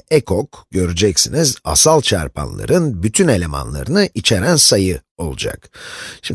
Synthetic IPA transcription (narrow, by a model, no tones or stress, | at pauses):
ɛkʰokɟø̞ɾyd͡ʒɛcsiniza̰salˠt͡ʃʰaɾpʰa̰nlˠa̰ɾɯnbyt̪ʰyne̞lʲe̞ma̰nlˠa̰ɾɯnɯʔit͡ʃʰeɾænsajɯo̞lˠud͡ʒa̰kʃim